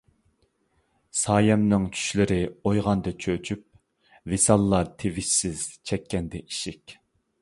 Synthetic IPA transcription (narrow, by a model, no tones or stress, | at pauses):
sɑːjɛmnɨŋt͡ʃʰy̥ʃlɪɾɪojʁɑnd̪ɨt͡ʃʰøt͡ʃʰyp̚ | vɪsɑlˠːɑt̪ʰevɪʃsɪz̥t͡ʃʰɛkʲːɛnd̪ɛʔiʃɪkʲ